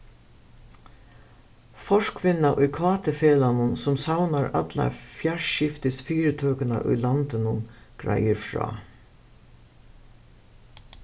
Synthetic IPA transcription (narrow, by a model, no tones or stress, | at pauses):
fɔʂkʰvɪnːaʔʊjkʰvaːt̪ɪfɛːlanʊnsʊmsawnaɾa̰t̪la̰fjaɹʃɪft̪ɪsfiːɾɪt̪ʰœːkəna̰ʔʊ̰jlant̪ɪnʊnɡ̥ɾa̰jəɾfɾɔ̰ː